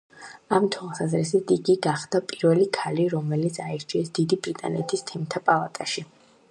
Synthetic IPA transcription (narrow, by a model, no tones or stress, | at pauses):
amt̪ʰwalˠsazɾɛsit̪ʰiɡiɡaχd̪̥apʼiɾvɛlikʰaliɾɔmɛlit̪sʰaiɾt͡ʃʰiɛsd̪̥id̪ibɾit̪ʼa̰nɛt̪ʰist̪ʰɛmt̪ʰapʼalˠat̪ʼaʃi